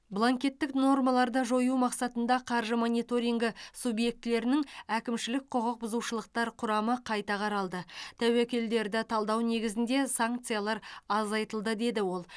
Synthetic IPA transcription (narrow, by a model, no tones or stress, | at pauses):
blˠaŋkʲe̞t̪ːɪkno̞rmɑlˠɑɾd̪ɑʒo̞jumɑqsɑt̪ənd̪ɑqʰɑɾʒəmo̞nʲijt̪o̞ɾʲijŋɡʲɪsubje̞k̚t̪ɪle̞ɾɪnɪŋækʲɪmʃɪlɪk̚qʰoʁəq̚bʊzuʃəlˠəqt̪ɑɾqʰʊɾɑməqʰɑjt̪ɑqʰɑɾɑlˠd̪ət̪ʰæwekʲe̞ld̪e̞ɾd̪ɪt̪ʰɑlˠd̪ɑwne̞ɡʲɪzɪnd̪e̞saŋk̚t̪sɨjalˠɑɾɑzɑjt̪əlˠd̪əd̪e̞d̪ɪwo̞lˠ